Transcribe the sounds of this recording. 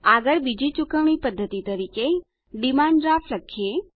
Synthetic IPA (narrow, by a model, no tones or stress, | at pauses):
aɡəɭbid͡ʒit͡ʃʊkəʋɳ̃ipəd̪ʱːət̪it̪əɾike | ɖimãɳɖɾafʰləkʰie